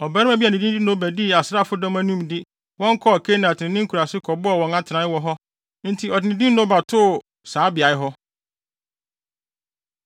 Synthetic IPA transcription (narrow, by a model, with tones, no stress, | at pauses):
ɔ˨ba˦ɾɪ˦æ˨bi˦a˨nɪ̃˨di˦i˦nõ˦bæ˨dɪ˦˨a˨sɾa˦˨fʊ˦dɔ̃˦mæ˦nũ˦mdɪ˦ | wɔ̃˦ŋ˦kʰɔ˦˨kʰe˦nã˨tɪ˨ɪ̃˨nɪ̃˦ŋ̩˦kʰu˨ɾa˨sɪ˦kʰɔ˨bʊ˦ɔ˨wɔ̃˨ŋa˦tʰɪ˨nã˨˦wɔ˦ɦɔ˦ | n̩˦tʰi˨ɔ˨dɪ˨nɪ̃˨dĩ˦nõ˦ba˨tʰʊ˦˨ | saː˨˦bɪ˨a˨ɪ˦ɦɔ˦